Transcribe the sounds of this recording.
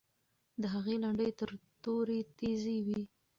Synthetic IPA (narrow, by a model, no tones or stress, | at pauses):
d̪əɦaɣelaɳɖəjt̪əɾt̪oɾet̪eziwi